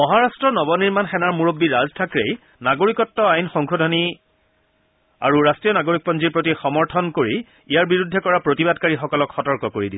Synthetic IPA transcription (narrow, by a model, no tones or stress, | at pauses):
mɔɦaɹastɹɔnɔbɔniɹmanxɛnaɹmuɹobːiɹaztʰakɹej | naɡoɹikɔtːɔajnxɔŋkodʱɔni | a̰ɹuɹastɹijɔnaɡoɹik̚pɔnziɹpɹotixɔmɔɹtʰɔnkoɹi | ijaɹbiɹudʱːɛkɔɹapɹotibadkaɹixɔkɔlɔkʰxɔtɔɹkɔkoɹidi